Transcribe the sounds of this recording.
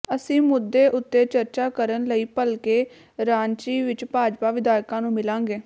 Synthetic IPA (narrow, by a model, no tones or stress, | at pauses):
əsĩːmʊd̪ːeːʔʊt̪ːeːt͡ʃəɾt͡ʃaːkəɾənləiːpəlkeː | ɾãːɲt͡ʃiːʋɪt͡ʃpaːd͡ʒpaːʋɪd̪aːjkãːnũːmɪlãːŋɡeː